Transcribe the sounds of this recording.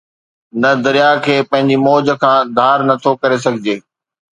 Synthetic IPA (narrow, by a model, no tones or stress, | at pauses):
nɐd̪ɐɾijakʰeːpɐ̃ɦɪ̃ɲd͡ʑimɔːd͡ʑə̆kʰãːd̪ʱaːɾnɐt̪ʰokɐɾes̬ɐɡʱɪd͡ʑeː